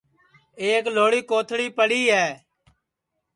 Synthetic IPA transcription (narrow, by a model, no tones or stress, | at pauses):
eːkloːɽiːkoːt̪ʰɽiːpəɽiːɦɛː